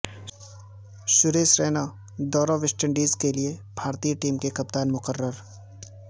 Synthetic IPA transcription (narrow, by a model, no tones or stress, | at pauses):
ʃʊɾeːsɾeːna | d̪ɔːɾoʋɪsʈə̃ɳɖiːzkeliebʱaːɾt̪iːʈiːmkekɐp̚t̪aːnmʊkəɾːəɾ